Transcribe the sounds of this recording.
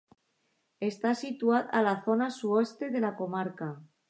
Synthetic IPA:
e̞st̪asit̪waðalaθo̞nasuest̪e̞ðe̞lako̞maɾka

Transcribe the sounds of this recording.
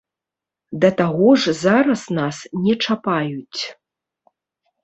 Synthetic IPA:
d̪ɐt̪aɣɔʐzaɾɐsnasnʲɛt͡ʂapajut͡sʲ

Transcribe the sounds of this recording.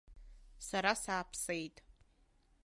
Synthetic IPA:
saɾasaːpʰsejtʼ

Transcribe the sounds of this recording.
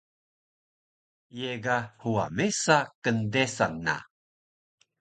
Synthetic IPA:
jeɡahua̰mesakəndesanːa̰

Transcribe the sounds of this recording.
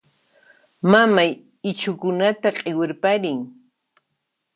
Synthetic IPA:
mamaj | ɪt͡ʃʊkʊnat̪aqʼɪwɪɾpaɾɪŋ

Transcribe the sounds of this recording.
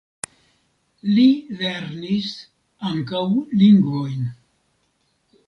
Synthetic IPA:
lileɾnis | aŋkawliŋɡvojn

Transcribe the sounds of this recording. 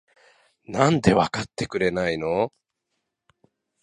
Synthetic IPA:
nãnd̪e̞βakat̪ːe̞kɯ̟ɾe̞naino̞

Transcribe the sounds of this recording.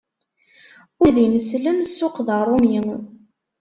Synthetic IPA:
ʊðinəsləmsːʊqðərˤomin

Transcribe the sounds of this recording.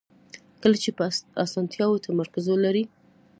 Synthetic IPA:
kəlat͡ʃepasɑnt̪jɑwot̪ʰamaɾkazolaɾi

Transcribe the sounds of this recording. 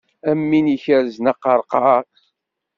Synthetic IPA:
æmːiniçəɾznəqːɑɾˤqɑɾ

